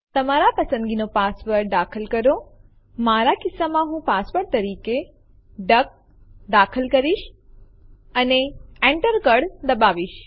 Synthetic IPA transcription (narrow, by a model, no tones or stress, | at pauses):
t̪əmaɾapəsə̃nd̪ɡinopasʋəɾd̪akʰəlkəɾo | maɾakɪsːamãɦũpasʋəɾt̪əɾike | ɖək̚ | d̪akʰəlkəɾiʃ | əneeɳʈəɾkəɽd̪əbaʋiʃ